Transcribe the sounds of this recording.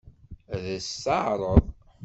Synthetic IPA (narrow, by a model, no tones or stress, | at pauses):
ðəsːɑʕɾˤəðˤ